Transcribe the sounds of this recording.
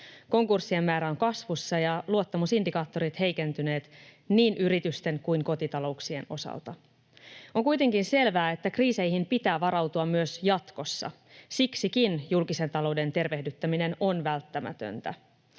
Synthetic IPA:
ko̞ŋkursːie̞mːæːɾæo̞ŋkɑsʋusːɑjɑluot̪ːɑmusindikɑːt̪ːo̞ɾit̪he̞jke̞nt̪yne̞ːt̪ | niːnʔyɾit̪yst̪e̞ŋkujŋko̞t̪it̪ɑlo̞uksie̞no̞̰sɑ̰lt̪ɑ | o̞ŋkujt̪e̞ŋkinse̞lʋæːe̞t̪ːækriːse̞jɦimpit̪æːʋɑɾɑwt̪uɑmːyøsjɑt̪ko̞sːɑ̰ | siksikinjulkise̞nt̪ɑlo̞wde̞nt̪e̞rʋe̞hdyt̪ːæmine̞no̞nʋælt̪ːæmæ̰t̪ø̰nt̪æ̰

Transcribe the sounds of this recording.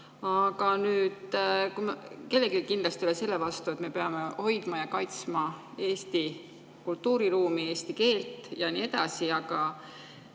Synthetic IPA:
ɑɡ̥ɑnyːd̪̥kumke̞lːe̞kilkind̪lɑst̪iolese̞lːe̞vɑst̪ue̞t̪me̞pe̞ɑme̞ho̞jd̪̥mɑjɑkɑjt̪smɑ | e̞ːst̪i | kult̪ːuːɾiɾuːmie̞ːst̪ike̞ːlt̪ˑjɑnie̞d̪̥ɑsiɑɡɑ

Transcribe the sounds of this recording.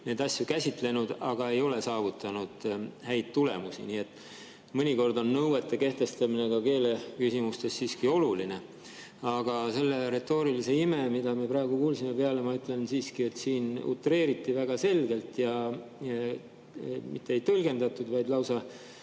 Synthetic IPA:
ne̞ːd̪ɑsʲjukæsʲit̪ˑle̞nud̪ɑɡ̥ɑe̞jo̞le̞sɑːvut̪ːˑɑnud̪̥hæjd̪̥̚t̪ule̞̰musḭniːe̞t̪ːˑ | mɤnʲiko̞rd̪o̞nːɤwe̞t̪ːe̞ke̞ht̪e̞st̪ɑmine̞ɡ̥ɑke̞ːle̞kysimust̪e̞sːiːskio̞luline̞ | ɑɡ̥ɑse̞lːe̞ɾe̞t̪ːˑo̞ːɾilise̞ime̞mid̪ɑmiepɾɑeɡ̥ukuːlsimepeɑle̞mɑyt̪ːˑle̞nsiːskie̞t̪ːsiːnṵt̪ːˑre̞ːɾit̪ːˑivæɡ̥ɑse̞lɡ̥e̞lt̪jɑ | mit̪ːˑeejt̪ɤlɡe̞nd̪ɑt̪ːˑud̪̥vɑjd̪lɑwsɑ

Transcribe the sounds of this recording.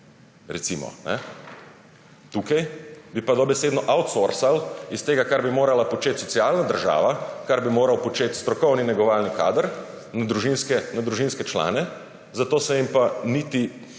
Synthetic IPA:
ɾɛt̪simɔ̰nɛ̰ | t̪uːkajbipad̪ɔbɛseːd̪nɔʔawt̪soɾsalist̪eːɡakaɾbimoːɾalapɔt͡ʃeːt̪sɔt̪siaːlnad̪əɾʒa̰ːʋakaɾbimoːɾawpɔt͡ʃeːt̪st̪ɾɔkɔwninɛɡɔʋaːlnika̰ːd̪əɾ | nad̪ɾuʒinskɛnad̪ɾuʒinskɛt͡ʃla̰ːnɛ | zat̪oːsɛjimpanit̪i

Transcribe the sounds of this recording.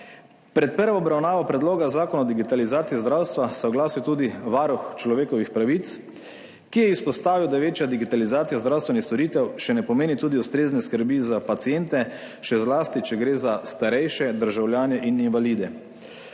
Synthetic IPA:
pɾɛt̪̚pəɾʋaɔbɾawnaːʋapɾɛd̪loːɡazaːkɔnaɔd̪iɡit̪alizaːt̪sijizd̪ɾawst̪ʋasɛɔɡlaːsit̪uːd̪iʋaːɾuxt͡ʃlɔʋeːkɔʋixpɾaʋit̪s | kijɛispɔst̪aːʋiwd̪aʋeːt͡ʃjad̪iɡit̪alizaːt̪sijazd̪ɾawst̪ʋɛnixst̪ɔɾiːt̪ɛwʃɛnɛpɔmeːnit̪uːd̪iust̪ɾeːznɛskəɾbizapat̪sijent̪ɛ | ʃɛzlaːst̪it͡ʃɛɡɾeːzast̪aɾɛjʃɛd̪əɾʒawljaːnɛʔininʋaliːd̪ɛ

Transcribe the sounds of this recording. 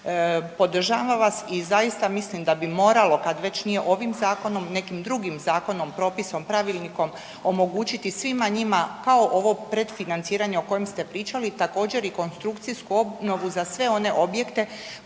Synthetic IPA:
po̞d̪r̩ʒaːʋaʋasizajist̪amislimd̪abimo̞ːɾalo̞kad̪ʋe̞t͡ɕnije̞ʔo̞ʋimzaːko̞no̞mne̞kimd̪ɾuɡimzaːko̞nompɾo̞ːpiso̞mpɾaʋilniko̞m | o̞mo̞ɡuːt͡ɕit̪isʋimaɲimakao̞ʔo̞ʋo̞pɾe̞d̪finant̪siːɾaɲeoko̞jemst̪e̞pɾiːt͡ʃalit̪ako̞ːd͡ʑe̞ɾiko̞nst̪ɾukt̪siskuo̞bno̞ʋuzasʋe̞o̞ne̞ʔo̞bje̞kt̪e̞

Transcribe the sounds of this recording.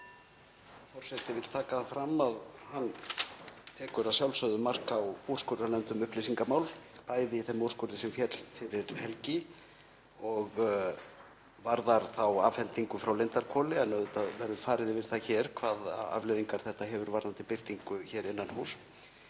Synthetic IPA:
fɔr̥sɛt̪ɪvɪlt̪ʰaːkafɾamaðhanː | t̪ʰɛːkʏɾaðsjawlsœðʏmar̥kawowr̥skœɾanɛmt̪ʏmʏhplisiŋkamaːwlpaːjðɪiθɛmɔr̥skʏɾðɪsɛmfjɛt̪l̥fɪɾɪɾhɛlcɪ | ɔɣ | vaɾðaɾ̥θawaːvfɛnt̪iŋkʏfɾawlent̪aɾkʰɔːlɪanːœːðʏt̪aðvɛɾðʏfaːɾɪðɪvɪɾ̥θaçɛːɾ̥kʰvaːða̰vlɛjðiŋkaɾ̥θɛht̪aɦɛvʏɾvaɾnant̪ɪpɪɾ̥t̪iŋkʏçɛːɾɪnːanhuːs

